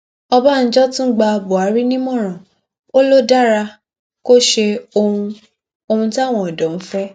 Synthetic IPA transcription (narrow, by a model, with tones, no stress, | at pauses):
ɔ˧ba˦n̩˦d͡ʒɔ˦tũ˦ɡ͡ba˧bo˨a˨˦ɾi˦nĩ˦mɔ̃˦˨ɾ̃ã˨ | o˦lo˦da˦ɾa˧ | ko˦ʃe˧o˧ũ˧ | o˧ũ˧ti˦a˦˨w̃ɔ̃˨ɔ˨dɔ̃˨˦m̩˦fɛ˦